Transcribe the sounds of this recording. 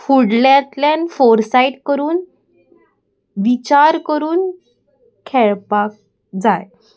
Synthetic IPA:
fuɽljãt̪ljanfoɾsaiʈkəɾuːn | ʋit͡ɕaɾkəɾuːn | kʰeɭpak̚ | d͡zaj

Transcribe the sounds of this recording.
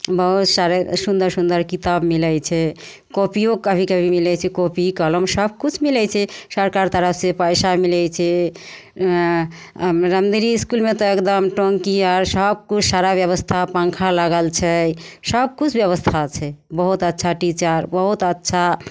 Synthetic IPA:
bəɦut̪saɾesund̪əɾsund̪əɾkit̪abmilɛt͡ʃʰɛ | kopijokəbʱikəbʱimilɛt͡ʃʰɛkopikələmsəb̚kut͡ʃʰmilɛt͡ʃʰɛsəɾkaɾt̪əɾəpsepəjsamilɛt͡ʃʰɛ | ɾəmd̪iɾiːskulmet̪ɔekd̪əmʈoŋkiaɾsəb̚kut͡ʃʰsaɾabjəβəst̪ʰapə̃ŋkʰalaɡəlt͡ʃʰɛsəb̚kut͡ʃʰbjəβəst̪ʰat͡ʃʰɛbəɦut̪ətːʃʰaʈit͡ʃəɾbəɦut̪ətːʃʰa

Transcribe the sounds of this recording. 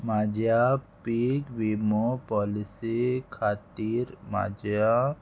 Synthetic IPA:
maːd͡ʒjapikʋimopɔːlɪsikʰaːt̪iːɾma̰ːd͡ʒa

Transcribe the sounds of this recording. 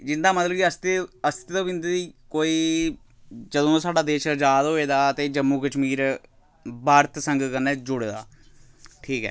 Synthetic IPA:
d͡ʒɪnd̪aːmət̪ləbiəst̪eəst̪et̪õːbɪ̃nd̪ɾiːkoːiː | d͡ʒəd̪õːsaːɖaːd̪eːʃəd͡ʒaːd̪ɦoːeːd̪aːt̪eːd͡ʒəmːuːkəʃmiːɾ | baːɾt̪səŋɡkəɾneːd͡ʒʊɽeːd̪a̰ː | ʈʰiːkɦɛ̰ː

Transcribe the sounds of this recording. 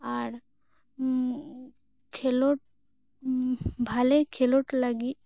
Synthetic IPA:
aɾ | kʰeloʈ̚ | bʱalekʰeloʈlaɡi

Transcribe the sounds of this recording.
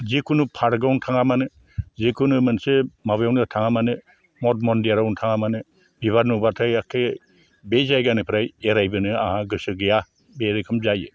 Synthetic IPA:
zikʰunupʰaɾɡawntʰaŋamanɯ | zikʰunɯmɯnsemabjawnɯtʰaŋamanɯ | mɔt̚mɔndijaɾawntʰaŋamanɯ | biβaɾnubatʰajakʰe | bezajɡanɯpʰɾajeɾajbɯnɯaɦaɡɯsɯɡɯja | beɾekʰɯmzajɯ

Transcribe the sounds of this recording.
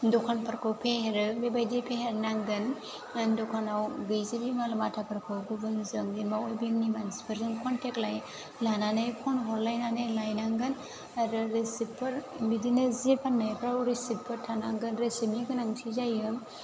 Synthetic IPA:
dɔkʰanpʰaɾkʰawpʰeheɾbebajdepʰeɦeɾnaŋɡɯn | dɔkʰanawɡɯjzebimalamatʰapʰaɾkʰawɡuɡɯnzɯŋdimaojbiŋnimansi̥pʰəɾzɯnkʰɔntʰeklaj | lananajkʰɔnɦɔllajnanajlajnaŋɡɯn | aɾɯɾesipːɯɾbidinazepʰanːajpʰɾawɾesipʰːɯɾtʰanaŋɡɯnɾesimiɡɯnaŋtʰizajɯm

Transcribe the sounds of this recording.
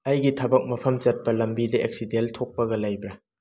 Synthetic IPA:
ɐjɡitʰɐbɐk̚mɐpʰɐmt͡ʃɐt̚pɐlɐmbidɐʔek̚sideltʰok̚pɐɡɐlɐjbɾɐ

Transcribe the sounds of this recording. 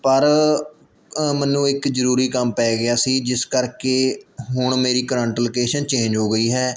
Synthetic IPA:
pəɾ | mɛnːũːɪkzəɾuːɾiːkəmpɛːɡɪjaːsiːd͡ʒɪskəɾkeːɦʊɳ̃meːɾiːkɾə̃ɳʈlokeːʃənt͡ʃẽːd͡ʒɦoːɡəiːɦɛː

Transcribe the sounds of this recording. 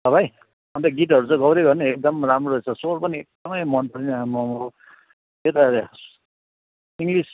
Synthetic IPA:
d̪ʌbʱaj | ʌnt̪ʌɡiʈɦʌɾut͡sʌ̃ɡʌwɾeɡʌnʌek̚d̪ʌmramroɾʌt͡sʰʌsorpʌniek̚d̪̥ʌmʌjmʌnpʌɾinamʌm | et̪a | iŋɡlis

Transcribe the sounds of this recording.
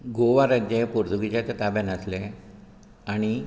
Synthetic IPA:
ɡoʋaɾəd͡ʑepoɾt̪uɡit͡ɕat̪at̪abjanəsle | aɽ̃i

